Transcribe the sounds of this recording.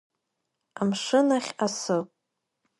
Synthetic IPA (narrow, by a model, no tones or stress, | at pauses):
amʂɨnaχʲasɨpʼ